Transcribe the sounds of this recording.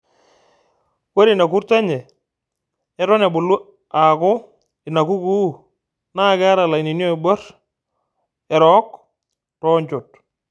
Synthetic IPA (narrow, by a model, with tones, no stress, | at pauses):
wɛ˦ɾi˨na˨ku˦ɾta˦ɲɛ˨ | ɛ˦ɾɔ˦nɛ˨bʊ˨lu˦ | a˨kʊ˦ | ɪ˨na˨ku˦ku˦ | na˦˨kɛ˦a˦ɾa˨la˨i˨ni˨njɔ˦˨bɔ˦r | ɛ˨ɾɔ˦k | tɔ˦ɲt͡ʃo˨t̚